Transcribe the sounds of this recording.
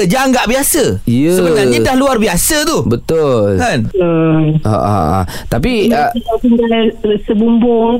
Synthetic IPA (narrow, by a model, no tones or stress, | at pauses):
d͡ʒaŋɡaʔbiasəjəsəbənarɲədahluarbiasət̪ubət̪ʊlkanəʔa̰ʔa̰t̪ap̬iiaʔt̪iŋɡalsəbumbʊŋ